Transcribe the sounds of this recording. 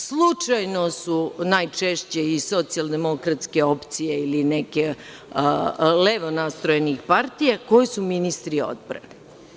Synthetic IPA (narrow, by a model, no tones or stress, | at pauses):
slˠut͡ʂajno̞sunaːjt͡ʂeʃt͡ɕe̞iso̞t̪sialˠd̪e̞mo̞kɾat̪ske̞opt̪sijeilineke | leʋonast̪ɾojenixpaɾt̪ijako̞jesuminist̪ɾio̞̰d̪̚pɾa̰ne